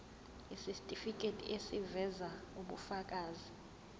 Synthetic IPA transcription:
isistʼifik̬ʼetʼḭʔesivɛzauɓufak̬ʼaːzi

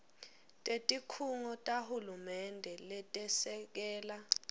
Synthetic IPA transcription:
tʼetʼikʰuŋɔtʼahulumɛndʱɛlɛtʼɛsɛk̬ɛːla

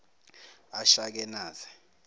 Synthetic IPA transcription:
aʃak̬ɛnaːzɛ

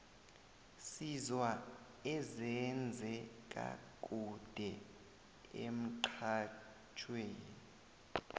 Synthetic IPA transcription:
sizwa | ɛzɛnd͡zʱɛk̬ʼa̰k̬ʼud̥ʱɛ | ḛm̩ǃʰa | t͡ʃʰʼweːnii

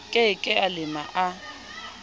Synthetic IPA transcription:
kʼekʼɪalɪma̰ʔa

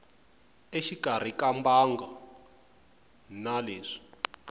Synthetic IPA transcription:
eʃikar̤ikambaŋɡa | naleːʂi̥

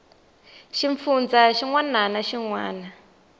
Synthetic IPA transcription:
ʃiɱfund͡zaʃiŋwananaʃiŋwaːna

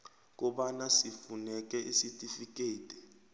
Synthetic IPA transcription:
k̬ɔɓanasifunɛk̬ɛʔisitʼifik̬ʼeːtʼɛ̥

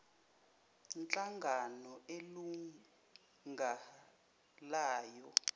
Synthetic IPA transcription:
nt͡ɬʼaŋɡʱanɔelu | ŋɡʱa | laːjɔ

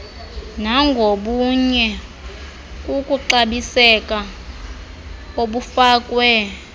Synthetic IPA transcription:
naŋɡʱoɓuɲɛ | kʼukʼuǃaɓisɛkʼa | oɓufaːkʼwɛ

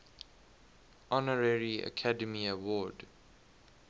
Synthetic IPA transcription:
ʔɔnəɹɛɹiə̰kʰadəmiəwɔːd

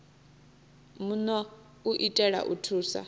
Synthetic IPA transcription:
munɔ | uʔitʼɛɺa̰ʔutʰuːsa̰

